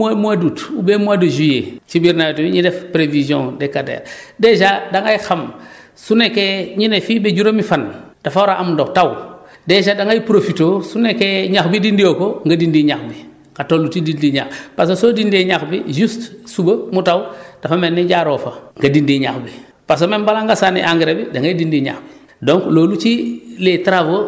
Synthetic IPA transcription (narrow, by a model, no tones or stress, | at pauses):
amuadutubemuadoʒujet͡ʃibiɾnajotimiɲidefpɾevizõdekadḛːɾdeʃadaŋajxam | sunekeɲinefiːbeɟuɾomifan | d̥afawɾaʔamdoktaw | deʃadaŋajpɾofitoːsunekeɲaxbidindijokoŋɡadindiɲaxbi | kɡatoːlːutidindiɲaxpas̬osoːdindieɲaxbḭʒustsubɐmutawd̥afamenːiɟaɾoːfaŋɡadindiɲaxbi | pas̬omenbalaŋɡasanḭʔaŋɡeɾebidaŋɡaidindiɲa̰xbi | doŋkloːlut͡ʃiletɾavo